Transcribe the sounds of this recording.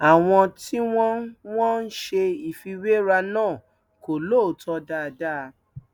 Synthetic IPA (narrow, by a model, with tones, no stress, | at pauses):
a˨w̃ɔ̃˧ti˦w̃ɔ̃˦w̃ɔ̃˦n̩˦ʃe˧i˨fi˧we˦ɾa˧nãː˦˨ | ko˨lo˦˨tɔ˧da˦˧da˦˧